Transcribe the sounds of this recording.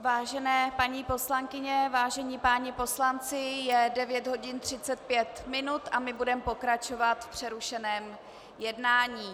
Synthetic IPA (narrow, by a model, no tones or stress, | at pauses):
vaːʒɛnɛːpaɲiːpo̞slaŋkɪɲɛvaːʒɛɲiːpaːɲɪpo̞slant͡sɪjɛdɛvjɛd̪ɦo̞ɟɪnt̪r̝̥ɪtt͡sɛt̪̚pjɛt̪mɪnut̪ʔamɪbudɛmpo̞kɾat͡ʃo̞vat̪fpr̝̥ɛɾuʃɛnɛːm | jɛdnaːɲiː